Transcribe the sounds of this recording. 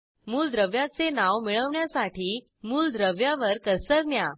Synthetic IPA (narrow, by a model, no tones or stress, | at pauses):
muːld̪ɾəʋjat͡senaʋmiɭəʋɳjasaʈiː | muːld̪ɾəʋjaʋəɾkəsəɾnja